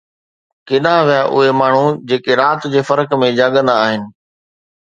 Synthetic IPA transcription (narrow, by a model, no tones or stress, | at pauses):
kɪɗãːʋijaʔʊ̰ɦemaːɳ̤ud͡ʑeːkeɾaːt̪d͡ʑeːfɐɾəkmẽd͡ʑaːɠə̃nd̪aaːɦɪnɪ̆